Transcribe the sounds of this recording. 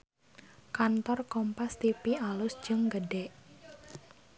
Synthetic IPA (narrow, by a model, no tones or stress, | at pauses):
kant̪ɔrkɔmpast̪ipialʊsd̥d͡ʒ̥əŋɡəɖɛʔ